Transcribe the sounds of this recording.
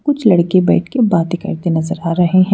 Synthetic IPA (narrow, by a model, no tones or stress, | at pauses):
kʊt͡ʃʰlɐɽkebɛ̰ːʈʰkebaːt̪ekɐ̰ɾt̪enɐzəɾaːɾɐɦeɦɛ̃